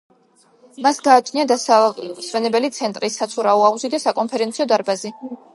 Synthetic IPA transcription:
masɡaːt͡ʃʰniad̪asaswɛnɛbɛlit̪sʰɛnt̪ʼɾisːat̪sʰuɾauauzid̪asakʼɔnpʰɛɾɛnt̪sʰiɔd̪aɾbazi

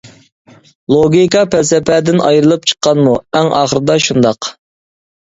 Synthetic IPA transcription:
lˠoɡʲikɑpʰɛlsɛpʰɛd̪ɪnɑjɾɨlˠɨp̚t͡ʃʰə̥qːɑnmuɛŋɑ̰ːχəɾɨd̪ɑʃund̪ɑq

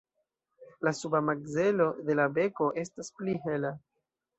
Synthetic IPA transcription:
lasubamaɡze̞lo̞de̞labe̞ko̞ʔe̞staspliɦe̞la

